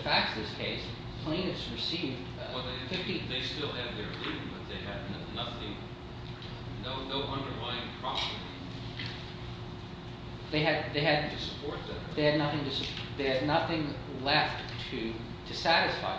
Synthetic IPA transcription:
fæk̚tsðɪskʰeɪs | pʰl̥ẽɪ̃nɨtsɹɨsivdˠ | ðfɪftiðeɪstɪlˠɨd̪̚ðə˞dʉbʌt̪̚ðeɪɨdⁿn | nʌθɪ̃ŋ | noʊnoʊʔʌ̃ndə˞lãɪ̃npʰɹ̥ɑpə˞ɾḭ | ðeɪɨd̪̚ðeɪɨdⁿtʰɨsɨ̥pʰɔɹt̪̚ðɨðeɪɨdⁿnʌθɪ̃ŋtɨsɨpʰðeɪɨdⁿnʌθɪ̃ŋ | lɛftʰɨ | ɾɨsæɾɨsfa̰ɪ

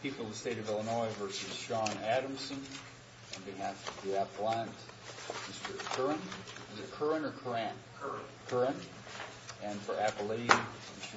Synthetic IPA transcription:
pʰipl̩ˠʌð̥steɪɾʌvɪlˠənɔɪvɜ˞sɨz̥ʃɑ̃næɾə̃msɨ̃n | ɨ̃nbĩhæftdiæplæ̃nt | mɪstə˞kʰɜ˞ə̃nɪsəkʰɜ˞ɨ̃nə˞kʰə˞æ̃n | kʰə˞ɨ̃n | ɨ̃nfə˞æpl̩ˠi | mɪstə

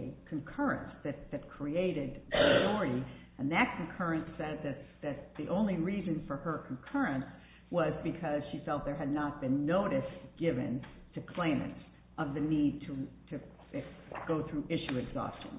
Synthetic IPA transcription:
ɨkʰɨ̃nkʰɜ˞ɨ̰̃nsðɨt̪̚ðɨt̚kʰɹ̥ieɪɾɪd̚ʰaɔɹɨɾi | ɨ̃nðɨt̚kʰɨ̃n̩kʰɜ˞ɨ̃nsɛd̪̚ðɨt̪̚ðɨt̪̚ðiʔõʊ̃nliɹizɨ̃nfə˞ə˞kʰn̩kʰɜ˞ɨ̃ns | wʌzbɨkʰʌz̥ʃiθɔt̪̚ðə˞ɨdⁿnət̚b̥ɨ̃nːoʊɾɨsɡ̥ɪvɨ̰̃ntʰɨkʰl̥ẽɪ̃mɨ̰̃ns | ʔʌvðɨnid̚tʰətʰɨ | ɡ̥oʊθɹʉʔɪʃʉɨɡzɔ̰stɪ̰̃n

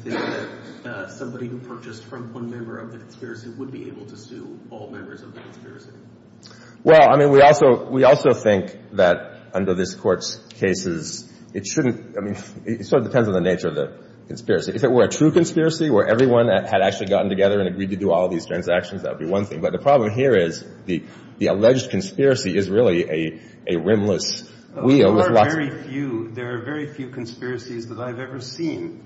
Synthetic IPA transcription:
θɪ̃ŋk̚ðɨt̚sʌ̃mbɑɾihupʰɜ˞t͡ʃɨsfɹʌ̃mwʌ̃nmɛ̃mbə̰˞ʌvðɨkʰn̩spɪɹɨsiwəd̚biḛɪbl̩ˠtʰɨsʉ̰ɔlˠmɛ̃mbə˞zʌvðɨkʰn̩spɪɹɨsi | wɛlˠaɪmĩnwiɔlˠsoʊwiɔlˠsoʊθɪ̃ŋkðɨɾ | ʌ̃ndə˞ðɪskʰɔɹtskʰeɪsɪz | ɨtʃʊdⁿn̩taɪmĩnɪɨtsɔɹʌdɨpʰɛ̃ndzn̩ðɨneɪt͡ʃə˞ʌvðɨ̰ | kʰn̩spɪɹɨsiʔɨfɨt̚wə˞ɨtʰɹ̥ʉkɨ̃nspɪɹɨsiə˞ʔɛvɹiwʌ̃nɨɾæk̚t͡ʃʉl̩ˠiɡɑʔn̩tɨɡɛðə˞ɨ̃nɨɡɹid̚tɨdɨɔlˠʌvðiz̥tʰɹ̥æ̃nzækʃn̩zðæ̰t̚wəd̚biwʌ̃nθɪ̰̃ŋbʌt̪̚ðɨpʰɹ̥ɑblə̃mɦiɹɪz | ði | ðiəlɛd͡ʒd̚kʰɨ̃n̩spɪɹɨsiɪzɹɪlˠiʔɨ | ʔɨɹɪ̃mləs | wilˠwɪðlɑɛɹifjʉðə˞ːvɛɹifjʉkʰn̩spɪɹɨsizðəɾaɪvɛvə˞sĩn

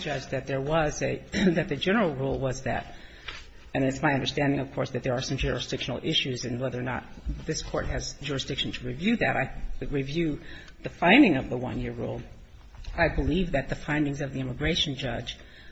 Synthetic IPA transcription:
d͡ʒʌd͡ʒðɨt̪̚ðə˞wʌzɨðɨt̪̚ðɨd͡ʒɛnə˞l̩ˠɹulˠwʌzðɨ̰ɾ | ɨ̃nɨtsmaɪʌ̃ndə˞stæ̃ndɪ̃ŋʌv̥kʰɔɹsðɨt̪̚ðə˞ːsʌ̃md͡ʒʊɹɨsd̥ɪkʃn̩l̩ˠɪʃʉzɨ̃nwɛðə˞nə̰t̪̚ðɪskʰɔɹt̚hɨzd͡ʒʊɹɨsd̥ɪkʃn̩tʰəɹivjʉðɨɾa̰ɪɹivjʉ | ðɨfãɪ̃ndɪ̃ŋʌvðəwʌ̰̃njɪɹɹṵlˠ | aɪbəlivðɨt̪̚ðɨfãɪ̃ndɪ̃ŋzʌvðiɪməɨɡɹeɪʃn̩d͡ʒʌ̰̥d͡ʒ̥

